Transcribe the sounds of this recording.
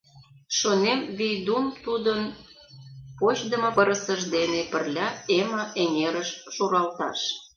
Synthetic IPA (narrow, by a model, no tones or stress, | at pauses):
ʃonemβijd̪umt̪ud̪ən | pot͡ɕd̪əmɤ̆pəɾə̆səʒd̪enepə̆rlʲɑeməʔeŋeɾəʃʃuɾɑlt̪ɑ̰ʃ